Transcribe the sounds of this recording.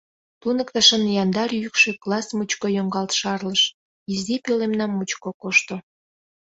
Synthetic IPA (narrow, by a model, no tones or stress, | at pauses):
t̪unəkt̪ɑʃənjɑnd̪ɑrjykʃøklɑsmut͡ɕkojoŋɡɑlt̪ʃɑrləʃ | izd̪ipelemnɑmːut͡ɕkokoʃt̪o